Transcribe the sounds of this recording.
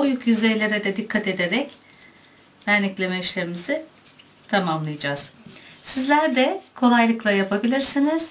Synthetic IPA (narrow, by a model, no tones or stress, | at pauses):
ujukjyze̞jlʲe̞ɾɛd̪ɛd̪ikʰːat̪e̞d̪eɾɛc | væɾnʲiclʲe̞mɛiʃlʲeɾimizɪ | t̪ʰamamlˠɯjad͡ʒaːz̥sizlʲæɾd̪ɛkʰo̞lˠajlˠɯklˠajapʰabilʲiɾsiniz̥